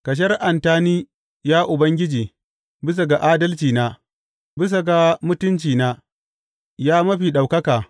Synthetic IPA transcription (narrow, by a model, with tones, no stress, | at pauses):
kɐ˨ʃ̬ɐ˦rʔa˨ntaː˦niː˦ | jaː˦ʔʊ˨bɐ˦ŋɡʲɪ˦d͡ʒiː˨ | bɪ˦s̬a˨ɡa˨ʔaː˦dɐ˦lt͡ʃiː˨naː˦ | bɪ˦s̬a˨ɡa˨mʊ˦tʊ˦nt͡ʃiː˨naː˦ | jaː˦mɐ˦ɸiː˨ɗa˨wkɐ˦kaː˨